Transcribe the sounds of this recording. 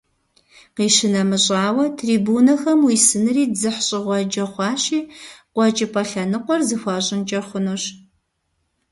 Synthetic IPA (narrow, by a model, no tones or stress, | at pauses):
qiːʃɪnɐmɨɕʼaːwɐtʰriːbuːnɐxɐmwiːsɨnɨriːzɨħɕʼɪʁʷɔd͡ʒɐχʷɑːɕiːqʷɔt͡ʃʼɪpʰʼɐɬɐnɨqʷɔrzɨxʷɑɕʼɪnt͡ʃʼɐrχʷʊnuːɕ